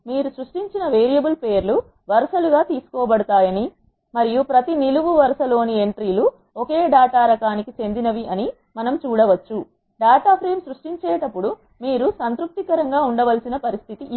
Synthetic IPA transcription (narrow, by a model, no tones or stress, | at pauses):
miːɾusɾuʂʈiɲt͡ʃinɐʋeːɾijɐbulpeːɾlu | ʋɐɾʃɐluɡaːt̪iːsu̥kɔːbɐɽut̪aːjɐni | mɐɾijupɾɐt̪iniluʋuʋɐɾʃɐlo̞ːnie̞ɳʈɾiːlu | ɔke̞ːɖaːt̪aːɾɐkaːnikit͡ʃe̞nd̪inɐʋiʔɐni | mɐnɐmt͡ʃuːɽɐʋɐt͡ʃːu | ɖaːʈ̪aːpʰɾe̞ːmsɾuʂʈiɲt͡ʃeːʈɐpːuɽu | miːɾusɐnt̪ɾup̚t̪ikɐɾɐŋɡaːuɳɖɐʋɐlsinɐpɐɾist̪ʰit̪iʔ